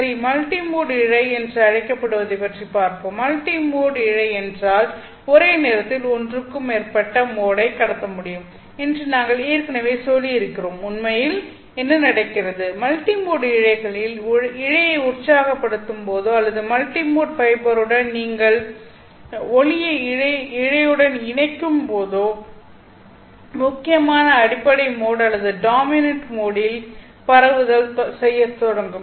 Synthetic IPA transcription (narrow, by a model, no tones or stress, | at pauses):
ɐɾimɐlʈimuːɽɪɻɐɪɛndrɯɐɻɐɪkːɐpːɐɽɯʋɐðɐɪpɐʈripaːɾkoːmːɐlʈimoːɽɪɻɐɪɛndraːl | ɔɾeːneːɾɐt̪ːɪlɔndrɯkːɯmeːrpɐʈːɐmoːɽɐɪkːɐɽɐt̪ːɐmʊɽɪjɯm | ɛndrɯnaːŋɡɐɭeːɾkɐnɐʋeːsɔlːiɪɾɯkːɪroːmʊnmɐjɪl | ɛnːɯnɐɽɐɪkːɪrɐðɯmɐlʈimoːɽɪɻɐɪɣɐɭɪlɪɻɐjɐɪʊrt͡ʃːaːɣɐpːɐɽɯt̪ːɯmpoːðoːɐlːɐðɯmɐlʈimoːʈfɐɪbɐɾɯɽɐnniːŋɡɐɭ | ɔɻɪjɐɪɻɐɪɻɐjɯɽɐnɪɳɐɪkːɯmpoːðoː | mʊkːɪjɐmaːnɐːɽɪpːɐɽɐɪmoːɽɐlːɐðɯɖaːmɪnɐɳʈmoːɽɪl | pɐɾɐʋɯɣɐlsɛjːɐt̪ːɔɽɐŋɡɯm